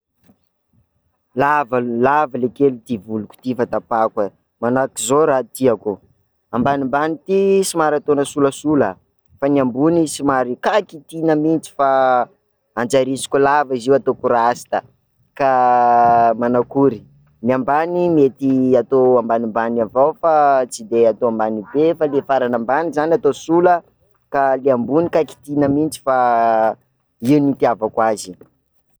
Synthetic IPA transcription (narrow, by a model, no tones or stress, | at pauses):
lavalavalekelit̪ivulukʲu̥t̪ifat̪apakə | manakizoɾat̪iaku | ambanimbanit̪isimaɾat̪onəsuləsulə | faniambunisimaɾikakit̪inəmint͡si̥fa | and͡ʒaɾisi̥kʲulaviziwat̪okuɾasi̥t̪a | ka | manakuɾi | niambanimet̪iat̪oambanimbanavawfat͡sid̪eat̪oambanibefalefaɾanambanizanat̪osulə | kaleambunikaki̥t̪inəmint͡si̥fa | iwnit̪iavakwazi̥